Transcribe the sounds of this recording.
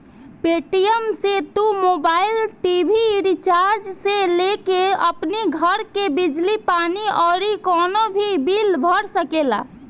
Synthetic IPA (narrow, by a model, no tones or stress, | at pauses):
peʈijəmset̪umobailʈibʱiɾit͡ʃaɾd͡ʒselekeə̰pniɡʱəɾkebid͡ʒlipaniɔːɾikɔnobʱibilbʱəɽsəkela̰